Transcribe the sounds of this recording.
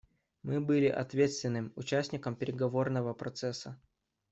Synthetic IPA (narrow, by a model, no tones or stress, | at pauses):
mɨbɨlʲɪʔɐ̰t̪vʲe̞t̪st̪vʲɪnːɨmʊt͡ɕæsʲnʲɪkəmpʲɪɾʲɪɡɐvo̞rnəvəpɾɐt̪sɛsːə